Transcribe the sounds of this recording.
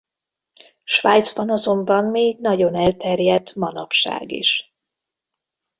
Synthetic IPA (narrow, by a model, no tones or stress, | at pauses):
ʃʋaːjt̪zbɒnɒzo̞mbɒnmeːɡnɒɟo̞nɛlt̪ɛrjɛd̪mɒnɒ̰pʃa̰ːɡḭʃ